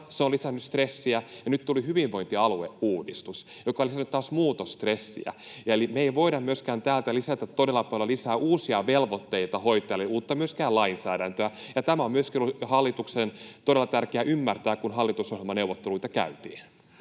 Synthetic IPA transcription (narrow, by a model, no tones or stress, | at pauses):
seolisænːyst̪resːiæjɑnyt̪t̪ulihyʋiʋʋoint̪iɑluḛʔuːdist̪us | jokɑolisnːyt̪t̪ːɑːsmuːt̪ost̪resːḭæ̰ | jɑelimeeiʋoidɑmmyøskæːnt̪æːlt̪ælisæt̪æt̪t̪ːodelːˑɑpɑlːɑlisæːʔuːsiɑʋelʋot̪ːeit̪ɑhoit̪ˑɑjɑliuːt̪ːɑmyøskæːlɑinsæːɾænt̪øæjɑt̪æmæommyøskihɑlːit̪uksent̪oɾelːˑɑt̪ærkeæʔymːært̪æːkunɦɑlːit̪usohjelmɑneuʋˑot̪ːeluit̪ɑkæ̰yt̪ḭːn